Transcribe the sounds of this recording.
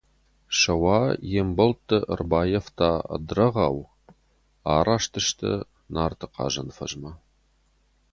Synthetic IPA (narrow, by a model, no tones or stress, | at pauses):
ʃɐwɑːjembɐlt̪ʰːə̰rbaːjeft̪ʰaːɐ̰d̪rɐʁɑːw | aːɾaːʃt̪ʰɨʃt̪ʰə̰ | naːrt̪ʰɨqɑ̰ːʒɐnfɐ̰ʒmɐ